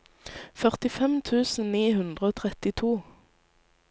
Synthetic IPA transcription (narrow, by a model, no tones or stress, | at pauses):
fœʁt̪ɪfɛmt̪ʰʉːsn̩niːhʉnd̪ʁəoːt̪ʰʁɛt̪ɪt̪ʰuː